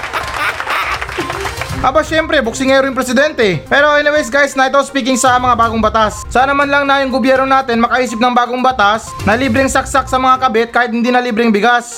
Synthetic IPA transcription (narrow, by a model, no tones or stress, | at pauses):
ʔɐbaʃɛmpɾɛbʊk̚sɪŋɛɾojʊŋpɾɛsɪd̪ɛnt̪ɛpɛːɾo̞ʔɛnɪwɛjsɡajsnɐʔɪt̪ospiːk̬ɪŋsɐmɐŋabaːɡoŋbɐt̪assaːnɐmanlɐŋnajoŋɡobjɛɾno̞naːt̪ɪnmɐkɐʔiːsɪp̚nɐŋbaːɡo̞ŋbɐt̪as | nɐliːbɾɪŋsɐk̚sak̚sɐmɐŋakɐbɛt̪̚kaːhɪt̪̚hɪnd̪iːnɐliːbɾɪŋbɪɡas